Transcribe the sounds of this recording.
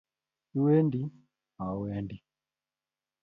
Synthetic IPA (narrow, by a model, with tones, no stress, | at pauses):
u˦wɛ˦ndi˦ | a˨wɛ˦ndi˨